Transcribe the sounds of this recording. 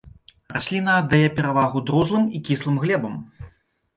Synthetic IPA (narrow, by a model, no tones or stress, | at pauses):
rasʲlʲinɐːd̪ːajɛpʲɛɾavaɣud̪ɾuzlˠɨmikʲislˠɨmɣlʲɛbɐm